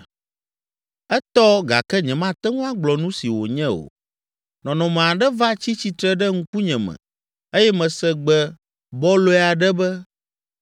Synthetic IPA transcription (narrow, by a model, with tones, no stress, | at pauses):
ɛ˦t̪ɔ˦ɡa̰˨kɛ˦ɲɛ̃˨mã˦t̪ɛ˦ŋũ˦a˦ɡ͡blɔ˨nũ˦si˨wo˨ɲɛ̃˦o̰˨ | nɔ̃˨nɔ̃˨m̃˨a˨ɖɛ˦va˦t͡ɕi˦t͡ɕi˨t̪ɾɛ˦ɖɛ˦ŋ̩˦ku˦ɲɛ̃˨mɛ̰̃˨ | e˦jɛ˦mɛ̃˨sɛ˨ɡ͡bɛ˦ | bɔ˦lo˦ɛ˦a˨ɖɛ˦bɛ˦